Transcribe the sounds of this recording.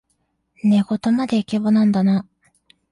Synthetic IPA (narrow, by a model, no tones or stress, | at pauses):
neɡo̞t̪omad̪e̞ikebonãnd̪ana